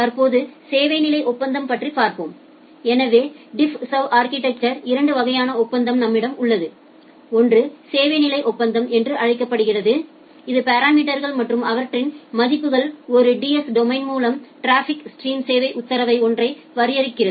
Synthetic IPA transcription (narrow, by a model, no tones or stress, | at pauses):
t̪ɐɾpoːðɯseːʋɐɪnɪlɐɪʔɔpːɐnd̪ɐmpɐʈripːaːɾpoːm | ɛnɐʋeːɖɪfsɐʋaːɾkɪʈɛk̚t͡ʃɐɾɪɾɐɳɖɯʋɐɣɐjaːnɐɔpːɐnd̪ɐmnɐmːɪɽɐmʊɭːɐðɯ | ɔndrɯseːʋɐɪnɪlɐɪʔɔpːɐnd̪ɐmʔɛndrɯʔɐɻɐɪkːɐpːɐɽɯɣɪrɐðɯ | ɪðɯpɐɾaːmiːʈɐɾɣɐɭmɐʈrɯmɐʋɐɾʈrɪnmɐðɪpːɯɣɐɭɔɾɯɖiɛsɖɔmɐɪnmuːlɐmʈɾaːfɪksʈriːmseːʋɐɪʔʊt̪ːɐɾɐʋɐɪɔndrɐɪ | ʋɐɾɪjɐɾɪkːɪrɐðɯ